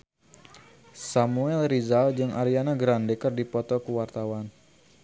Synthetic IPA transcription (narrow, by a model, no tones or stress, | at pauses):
samuɛlrizald͡ʒɨŋʔa̰ɾianaɡɾandɛkərdipɔt̪ɔkuwart̪awan